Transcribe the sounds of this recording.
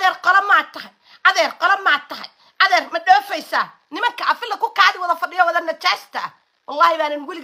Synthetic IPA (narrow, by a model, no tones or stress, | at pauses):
ðɛrqɔlɐmaːt̪ʰɐɦɐj | ʔɐðɛːrqɔlɐmaːt̪ɐɦɐ̰j | ʔɐðɛːrmɐɗɔːfɛjsaː | nɪmɐŋkʰɐʔɐfɪlːɐkʰʊkaːðɪwɐðɐfɐɖɪjɔwɐðɐnɐt͡ʃaːst̪ʰɐɐ | wɑlːɑːhɪβaːnɪnwɪlɪ